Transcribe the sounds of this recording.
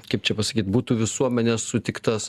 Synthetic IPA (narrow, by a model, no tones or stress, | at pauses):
kɐɪpt͡ʃʲɛpɐsɐkʲiːt̪buːt̪uːʋʲɪsuɔmʲɛnʲɛssʊt̪ʲɪkt̪ɐs